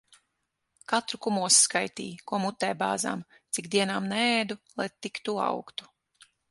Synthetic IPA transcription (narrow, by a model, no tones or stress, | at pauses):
kat̪ɾukumuɔsskajt̪ḭːkuɔmut̪ːɛjbaːza̰ːm | t̪sikd̪iɛnaːmnɛɛːd̪ulˠajt̪ikt̪ua̰wkt̪u̥